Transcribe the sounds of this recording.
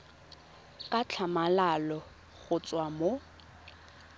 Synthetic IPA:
kʼat͡ɬʰamalalɔ | ɣʊt͡sʼwamo

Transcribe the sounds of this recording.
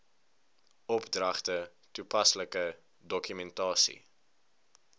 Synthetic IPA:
ɔpdrɐχtə | tupɐsləkə | dɔkymɛntɑːsḭ

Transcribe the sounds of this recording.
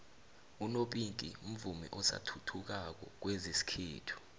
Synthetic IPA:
unoɓinkʼḭum̩vumɛ̰ʔɔsa̰tʰutʰuk̬ak̬ɔ̰k̬wɛzesi̥kʰeːtʰu̥

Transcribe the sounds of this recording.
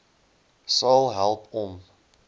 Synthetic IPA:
sɐlˠɦælˠpʰɔm

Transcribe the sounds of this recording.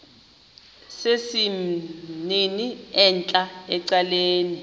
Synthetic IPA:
sesi | niniɛnt͡ɬʼaɛǀaleːni

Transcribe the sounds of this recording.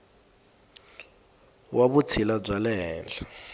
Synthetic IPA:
wʔaβut͡sʰilab͡ʐwalɛːla

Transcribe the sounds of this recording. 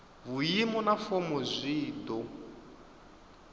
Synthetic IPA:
βujimɔnafɔmɔzʷiːd̪ɔ

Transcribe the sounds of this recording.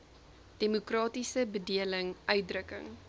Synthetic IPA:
d̥emukrɑːtisəbədiələŋʔœɥt̚drəkə̰ŋ

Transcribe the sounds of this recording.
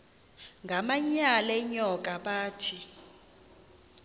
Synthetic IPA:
ŋɡʱamaɲalɛɲɔk̬ʼaɓaːtʰi

